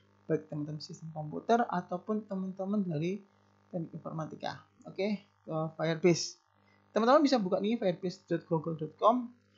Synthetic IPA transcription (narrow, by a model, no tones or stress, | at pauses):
b̥aɪk̚t̪əmənt̪əmənsist̪əmkɔmpṵt̪əra̰t̪awpʊnt̪əmənt̪əmənd̪aɾi | t̪ənɪkinfɔ̰rmat̪ika̰oke | kəfajərbɪs | t̪əmənəmənbisabukaʔnikifajərbɪsd̥ɔt̪̚ɡ̥oɡəldɔt̪̚kɔm